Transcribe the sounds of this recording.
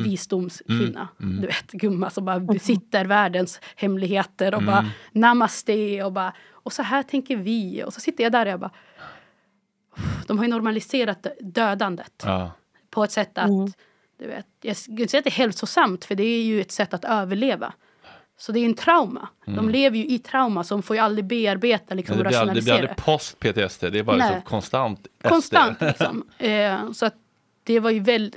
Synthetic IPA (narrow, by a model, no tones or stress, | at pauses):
viːsd̪ʊmskʰvɪnːa̰d̪ɵveːt̪ɡɵmːasɔmbɑːɾabɛsɪt̪ːəɾvæːɖənshɛmlɪɡheːt̪əɾɔbɑːɾanamːasd̪ɛɔbɑːɾa | ɔsɔɦæːʈʰɛŋkəɾvɪɔ̰sɔsɪt̪ːəjad̪æɾɔjabɑː | ʊd̪̥ɔmɦaɾjɵnɔɾmalɪseːɾat̪d̪øːd̪and̪ət̪ | pʰɔɛt̪sɛt̪ːat̪ | d̪̥ɵvḛːt̪jaɡʏnsɛjːat̪d̪ɛhɛlsʊsamt̪fœɖɛæɾjɵɛt̪sɛt̪ːat̪øːvəɭeːva̰ | sɔd̪ɛɾjʉɛnt̪ʰɾaʊma̰d̪ɔmleːvəɾjɵʔɪt̪ʰɾaʊmasɔd̪ɔmfoːɾjɵald̪ɾɪbeːaɾbeːt̪alɪksɔmɾaʂʊnɛlalɾɾə̰ɪpʰɔst̪̚pʰeːt̪ʰeɛst̪ʰeːd̪ɛːbɑɾɛkʰɔnst̪ant̪kʰɔnst̪ant̪lɪksɔ̰m | sɔat̪̚ | d̪̥ɛvaɾjɵvɛl